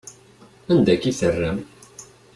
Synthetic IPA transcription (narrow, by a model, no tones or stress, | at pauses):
ænd̪ækːiθərːæm